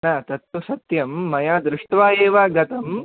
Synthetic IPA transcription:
nɐt̪ɐt̪ːusɐt̪jɐmːɐjaːd̪ɾɪʂʈʋaːjeːʋaːɡɐt̪ɐm

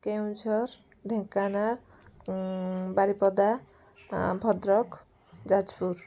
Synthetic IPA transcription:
kew̃d͡ʒʱɔɾ | ɖʱekːanaɾ | baɾipɔd̪a | bʱɔd̪ɾɔk | d͡ʒad͡ʑpuɾ

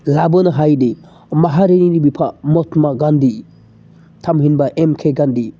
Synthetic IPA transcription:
labɯnɐɦajdi | maɦaɾeninibipʰamɔtmaɡandi | tʰamhinbaʔemkʰeɡandi

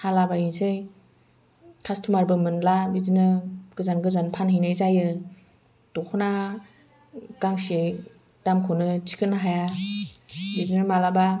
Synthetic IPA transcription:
halabajinsɯj | kʰastʰumaɾbɯmɯnlabizinɯɡ̥ɯzanɡɯzanpʰanɦɯjnɯjzajɯ | d̥ɔkʰɯna | ɡaŋsi | d̥amkʰɯnɯt͡ʃi̥kʰɯnaɦaja | bizinɯmalaba

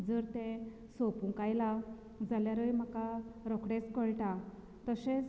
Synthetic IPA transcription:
d͡zəɾt̪ɛ̃ | sɔpũkajla | d͡zaljaɾəjm̤akaɾɔkɽet͡skəɭʈa | t̪əɕɛ̃t͡s

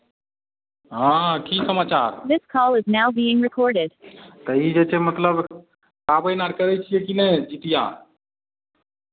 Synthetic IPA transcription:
ɦãːkisəmaːt͡ʃaːɾðɪskʰɔlˠɪznaʊbiːɪ̃ŋɹɪkʰɔɹɾɪd̥t̪əid͡ʒeːt͡ʃʰemət̪ləb | kaːbəjnaʈkəɾet͡ʃʰiekinẽːd͡ʒit̪ijã̰ː

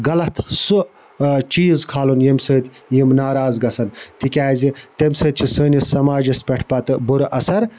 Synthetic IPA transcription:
ɡɐlɐt̪ʰsu | t͡ʃiːzkʰaːlunjimsəːt̪ʲjimnaːɾaːzɡɐsɐnt̪ikʲaːzit̪emʲsəːt̪̚ʲt͡ʃʰisəːnʲisɐmaːd͡ʒɐspʲeʈʰpɐt̪ɨbuɾʔɐsɐɾ

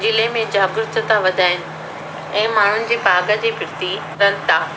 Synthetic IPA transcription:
d͡ʑɪlemẽd͡ʑaːɡʊɾʊt̪ə̆t̪aʋɐd̪ʱaːɪnɪ̆ | ɛ̃ːmaːɳ̤ʊnɪ̆d͡ʑiːpaːɡə̆d͡ʑiːfɪɾt̪i | ɾɐnt̪aː

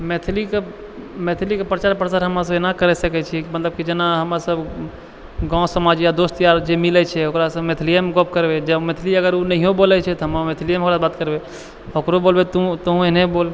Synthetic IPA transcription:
met̪ʰlike | met̪ʰlikepɾət͡ʃaɾpɾəsaɾɦəmɾas̬əbenakəɾɛsəkɛt͡ʃʰikmət̪ləb̚kid͡ʒenaɦəmɾasəb | ɡãsəmad͡ʒjad̪ost̪jaɾd͡ʒemilɛt͡ʃʰɛɦokɾasəmet̪ʰlijəmɡop̚kəɾbed͡ʒəbmet̪ʰliəɡəɾunəɦiõbolɛt͡ʃʰɛt̪ɔɦəmamet̪ʰlijəmɦokɾasbat̪kəɾbe | ɦokɾobolbet̪ut̪əɦũenebol

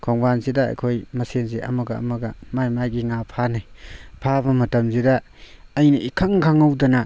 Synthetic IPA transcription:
kʰɔŋbansidɐɐ̰jkʰojmɐsenzeʔɐ̰mɐɡɐ̰ːmɐɡɐmajmajɡiŋapʰanijpʰabɐmɐtɐmzidɐː | jniʔikʰaŋkʰaŋɐwdɐnɐ

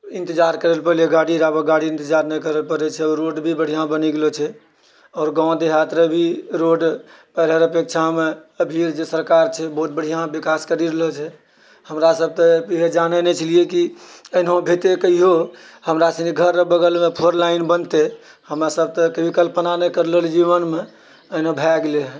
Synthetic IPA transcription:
ĩnt̪id͡ʒaɾkəɾəlpəɾleɡaɽiɾabəɡaɽiint̪əd͡ʒaɾnɛkəɾəlpəɾɛt͡ʃʰɛɔɾoɖbʱibəɽ̤ijãbəniɡelɔt͡ʃʰɛ | ɔːɾɡãʊ̃d̪eɦat̪ɾebʱiɾoɖpɛɾɦəɾəpek̚t͡ʃʰameəbʱiɾd͡ʒesəɾkaɾt͡ʃʰɛbɔɦut̪̚bəɽ̤ijãbikaskəɾiɾelɔt͡ʃʰɛ | həmɾasəb̚t̪əpiɦed͡ʒanenɛt͡ʃəlijekiənɦõbʱet̪ekəɦiɦo | həmɾasəniɡʱəɾəbəɡəlmepʰoɾlaɪnbənt̪e | həmɾasəb̚t̪əkebikəlpnanɛkəɾleld͡ʒiʋənme | ənebʱɛɡleɦɛ̃

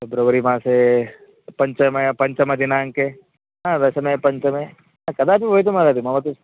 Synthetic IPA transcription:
ebɾobɐɾimãːse | pɐɲt͡ʃɐmepɐɲt͡ʃɐmɐd̪inaːŋke | ɦãd̪ɐsɐmẽpɐɲt͡ʃɐme | ãkɐd̪aːpiɦoːjt̪̬umad̪ad̪imaʋɐt̪us

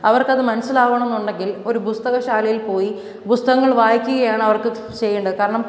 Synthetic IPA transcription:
ɐʋɐrkɐðɨmɐnɐsːilaːʋɳɐ̃onːuɳɖeŋɡilo̞ɾubust̪ɐɣɐɕaːlijilpo̞ːji | pust̪ɐɣɐŋːɐɭʋaːjikʲːuɣɐjaːɳɐʋɐrkɨ | t͡ɕe̞jːuɳɖɐðkaːɾɐɳɐm

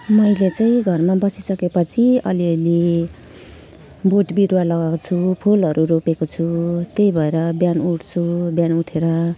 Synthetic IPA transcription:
mʌjlet͡saĩɡʱʌrmabʌsisʌkepʌt͡sʰiʌ̰liʌle | boʈbiɾwalʌɡakot͡sʰupʰulʌɾʔuɾopekot͡sʰut̪ejbʱʌeɾʌbjanuʈʰt͡sʰubjanuʈʰeɾʌ

